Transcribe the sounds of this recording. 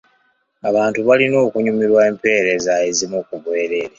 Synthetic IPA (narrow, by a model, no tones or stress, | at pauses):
aβaːntuβalino̞ːkuɲumiɾwaeːmpe̞ːɾe̞zae̞zimukuβwe̞ːɾe̞ɾe